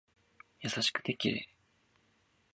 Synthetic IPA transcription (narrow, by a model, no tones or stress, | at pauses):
jasaɕi̥kɯ̥t̪ekʲiɾḛ